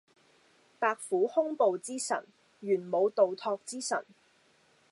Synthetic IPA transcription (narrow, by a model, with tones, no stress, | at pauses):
paː˧k̚fuː˨˥hʊ˥ŋpo˨wt͡siː˥sɐ̰˨˩n | ɥyː˨˩nmo˨˧wt̪o˨wt̪ʰɔː˧k̚t͡siː˥sɐ̰˨˩n